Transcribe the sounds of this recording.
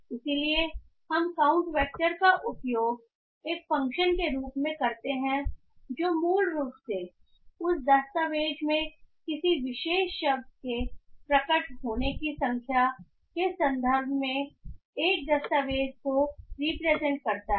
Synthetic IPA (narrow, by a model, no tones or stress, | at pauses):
ɪsilie | hɐmkaːʊ̃ɳʈʋɛːk̚ʈəɾkaʔʊpjoːɡ | eːkfɐ̃ŋkʃənkeɾuːpmẽkɐɾt̪eɦɛ̃ | d͡ʒoːmuːlɾuːpse | ʊsd̪ɐst̪aʋeːd͡ʒmẽkɪsiʋɪʃeːʃːɐb̚d̪̚kepɾɐkəʈɦoːnekisɐ̃ŋkʰja | kesɐ̃nd̪ʱəɾbʱmẽ | eːk̚d̪ɐst̪aʋeːd͡ʒkoɾiːpɾeːzɛ̃ɳʈ̚kɐɾt̪aɦ